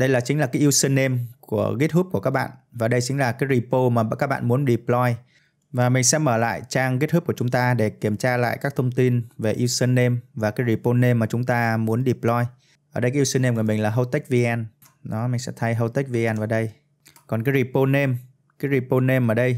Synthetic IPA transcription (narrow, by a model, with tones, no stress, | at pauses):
ɗə˧jlaː˨˩t͡ɕï˨˦ŋla˨˩kaː˨˦jʔi˧wsə˧nːe˧mku˧˩əɣi˦˥t̚hu˦˥p̚ku˧˩əkaː˦˥k̚ɓa̰ː˧˨nvaː˨˩ɗə˧jt͡ɕï˨˦ŋ̟laː˨˩kaː˨˦jzi˧˩po˧maː˨˩˨kaː˦˥k̚ɓa̰ː˧˨nmu˨˦ənɗi˨˩plɔ˧j | vaː˨˩mï˨˩ŋ̟sɛ̰˧˥məː˧˩la̰ː˧˨jt͡ɕaː˧ŋɣi˦˥t̚hu˦˥p̚ku˧˩˨t͡ɕʊ˨˦ŋ͡mt̪aː˧ɗe˧˩ki˧˩əmt͡ɕaː˧la̰ː˧˨jkaː˦˥k̚t̪ʰə˧wŋ͡mt̪i˧nve˨˩ʔi˧wsə˧nːe˧mvaː˨˩kaː˨˦jzi˧˩po˧ne˧mːaː˨˩t͡ɕʊ˨˦ŋ͡mt̪aː˧mu˨˦ənɗi˨˩plɔ˧j | ʔəː˧˩ə˧jkaː˨˦i˧wsə˧nːe˧mku˧˩əmï˨˩ŋ̟laː˨˩ɦə˧wt̪e˦˥k̚vi˧ʔɛ˧n | ɗɔ˨˦mï˨˩ŋ̟sɛ̰˧˥t̪ʰə˧˦jɦə˧wt̪e˦˥k̚vi˧ɛ˧nʔə˨˩ɗə˧j | kɔ˨˩nkaː˨˦jɹi˧˩po˧ne˧m | kaː˨˦jɾi˧˩po˧ne˧mʔəː˧˩ɗə˧j